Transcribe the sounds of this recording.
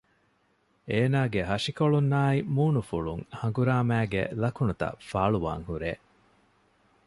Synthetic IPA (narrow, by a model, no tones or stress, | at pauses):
eːnaːɡeɦɐʂikoɭunːaːimuːnufuɭuŋhɐŋɡuɾaːmæːɡḛlɐkunut̪ɐ̰faːɭuʋa̰ːŋhuɾeː